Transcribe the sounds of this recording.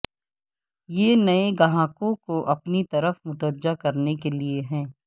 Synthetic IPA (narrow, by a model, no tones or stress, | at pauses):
jeːnɐeɡɐɦãːkõkoʔɐpnit̪ɐɾəfmʊt̪əɾd͡ʒakɐɾnekelieɦɛ̃ː